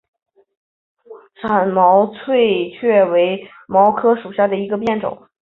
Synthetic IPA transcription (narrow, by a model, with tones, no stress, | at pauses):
ʂa˨˩nmɑ˧˥ʊt͡sʰwe˥˧ɪt͡ɕʰɥɛ˥˩we˧˥ɪ | mɑ˧˥ʊkʰɤ˥ʂu˨˩ɕja˥˩d̪ə˩i˧˥ɡə˧pjɛ˥˩nʈ͡ʂʊ̰˨˩˦